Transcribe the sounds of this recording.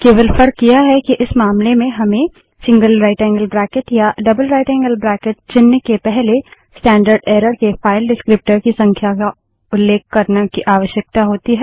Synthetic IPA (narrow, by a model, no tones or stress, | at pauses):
keːʋəlfəɾkːijaɦɛkiʔɪsmaːmlemẽɦɐmẽ | sɪ̃ŋɡəlɾaːɪʈɛ̃ːŋɡəlbɾɛːkɪʈjaɖɐbəlɾaːɪʈɛ̃ːŋɡəlbɾɛːkɪʈ̚t͡ʃɪnːəkepɛɦle | sʈɛ̃ːɳɖəɾɖeːɾəɽkefaːɪlɖɪskɾɪp̚ʈəɾkisɐ̃ŋkʰjaka | ʊlːeːkːɐɾnakiʔaːʋəʃjək̚t̪aɦoːt̪iɦɛː